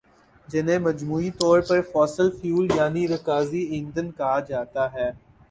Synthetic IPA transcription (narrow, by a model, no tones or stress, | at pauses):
d͡ʒɪnẽmɐd͡ʒmuːit̪ɔːɾpɐɾfɔːsəlfjuːljaːniɾɐkaːziɪ̃ːnd̪ənkɐɦad͡ʒaːt̪aɦɛː